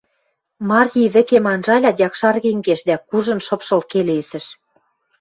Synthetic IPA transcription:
mɑrʲjiβɘ̆kemɑnʒɑlʲɑjʲɑkʃɑrɣeŋɡeʃd̪ækuʒɤ̆nʃɤ̆pʃɤ̆lkelesɘ̆ʃ

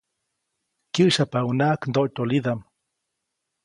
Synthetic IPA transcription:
kjɨʔʃapaunaʔknd̪oʔt̪oliðam

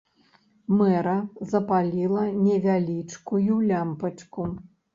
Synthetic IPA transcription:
mɛɾɐzɐpalʲilˠɐnʲɛvʲalʲit͡ʂkujulʲampɐt͡ʂku

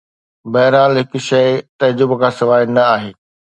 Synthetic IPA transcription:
bɐːɾaːlɦɪkʃɐɪt̪ɐd͡ʑʊbkʰãːsɪʋaːɪnɐaːɦeː

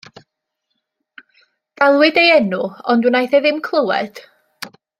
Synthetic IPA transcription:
ɡ̥alˠwɪdejɛnʊɔndunajθɛðɪmkʰlˠəwɛ̰d̥

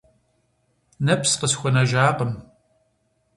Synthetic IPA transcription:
nɐpsqəsxʷʊnɐʒaːqəm

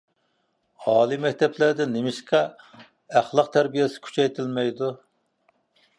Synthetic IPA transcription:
ɑːlˠimɛk̚ʲt̪ʰɛplæɾd̪ɪnːemɪʃqʰæ | æχlˠəqt̪ʰæɾbijesɪ̥kʲʰy̥t͡ʃʰɛjt̪ʰɪlmɛjd̪u

